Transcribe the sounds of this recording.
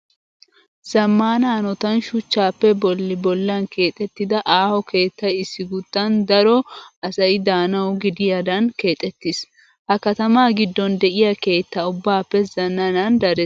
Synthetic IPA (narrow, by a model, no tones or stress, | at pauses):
z̥ɐmːaːnaːnɔt̪ɐnʃʊt͡ʃːaːpːɛbɔlːɪbɔlːɐnke̞ːt̪ʼːɛt̪ːɪd̪ɐʔaːhɔkʰe̞ːt̪ːɐɪsːɪɡʊt̪ːɐnd̪ɐɾɔʔɐsɐɪd̪aːnɐʊɡɪd̪ɪjɐd̪ɐnke̞ːt̪ʼːɛt̪ːɪs | hɐkɐt̪ɐmaːɡɪd̪ːɔnd̪ɛʔɪjɐke̞ːt̪ːɐʊbːaːpːɛzɐnːɐnɐnd̪ɐɾɛ